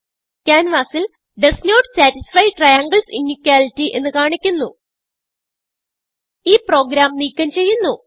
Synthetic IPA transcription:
kʲaːnʋaːsil | ɖesnoːʈsaːtisfɐjʈrɐjaːŋɡɐlsinːikʲːaːlitːiʔe̞̰nːɨkaːɳikʲːunːu | iːpro̞ːɡɾaːmniːkʲːɐmt͡ɕe̞jːunːu

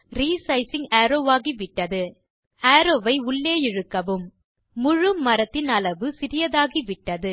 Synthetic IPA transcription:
ɾiːsɐɪsɪŋaːɾoːʋaːɣiʋɪʈːɐðɯ | aːɾoːʋɐɪʊɭːeːjɪɻɯkːɐʋɯmː | ʊɻɯmːɐɾɐt̪ːɪnɐlɐʋɯsɪɾɪjɐðaːɣiʋɪʈːɐðɯ

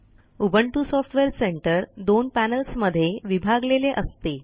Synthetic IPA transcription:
ubʱəɳʈusɔfʈʋeɾseɳʈəɾd̪onpænəlsməd̪ʱːjeʋibʱaɡleleʔəst̪e

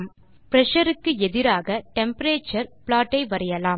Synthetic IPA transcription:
m | pɾɛʂɐɾɯkːɯɛðɪɾaːɣɐʈɛmpɐɾeːt͡ʃːɐɾplaːʈːɐɪʋɐɾɐjɐlaːm

